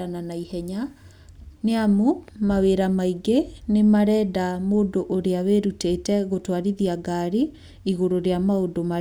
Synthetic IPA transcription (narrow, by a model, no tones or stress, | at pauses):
ananaihɛɲa | neamumaweɾamaiɡenemaɾɛːdamoːndoʔoɾeaweɾutetɛɣotwaɾiðiaɡaɾi | iɣoɾoɾeamaodoma